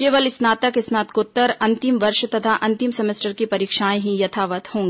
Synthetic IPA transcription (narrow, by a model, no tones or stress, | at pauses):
keːʋəlɪsnaːt̪əkɪsnaːt̪kʊt̪ːəɾɐ̃nt̪ɪmʋɐɾʃt̪ɐt̪ʰaʔɐ̃nt̪ɪmsɛmesʈəɾkipɐɾiːkʃaːẽɦĩjɐt̪ʰaːʋət̪hõːŋɡeː